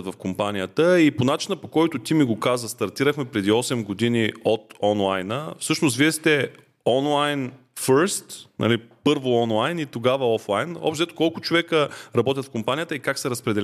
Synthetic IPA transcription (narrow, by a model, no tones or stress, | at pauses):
t̪vɐfkompanijət̪əiponat͡ʃinəpokɔjt̪ʊt̪imiɡokazəst̪ɐɾt̪iɾəxmɛpɾɛd̪iɔsɛmɡod̪iniot̪ɔnlˠajnəfsɤʃnost̪d̪viɛst̪ɛ | ɔnlˠajn | fəɾst̪nʔɐ̰lipɤɾvoɔnlˠajnit̪oɡavəɔflˠajnɔ̰pʃt̪zɛt̪okɔlˠkʊt͡ʃovɛkəɾɐbɔt̪̬ʲjət̪fkompanijət̪əikaksɛɾɐspɾɛd̪ɛ